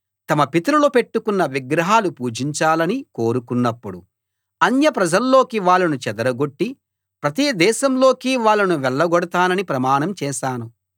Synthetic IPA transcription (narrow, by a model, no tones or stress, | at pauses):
t̪ɐmɐpit̪ɐɾulope̞ʈːukunːɐʋiɡɾɐɦaːlupuːd͡ʒiɲt͡ʃaːlɐniko̞ːɾukunːɐpːuɽu | ɐnjɐpɾɐd͡ʒɐlːo̞ːkiʋaːɭːɐnut͡ʃɛd̪ɐɾɐɡo̞ʈːi | pɾɐt̪iːd̪ɛːʃɐmlo̞ːkiːʋaːɭːɐnuʋɛɭːɐɡɔɽɐt̪aːnɐnipɾɐmaːnɐmt͡ʃɛːʃaːnu